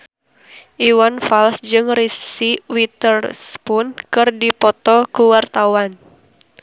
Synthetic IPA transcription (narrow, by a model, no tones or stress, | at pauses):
ʔiwanfalsd͡ʒɨŋrisiwit̪ərspʊnkɨrdipɔt̪ɔkuwart̪awan